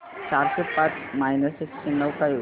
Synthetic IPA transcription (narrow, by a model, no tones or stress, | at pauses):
t͡ɕaɾɕepat͡smajnəsekɕenəwkaju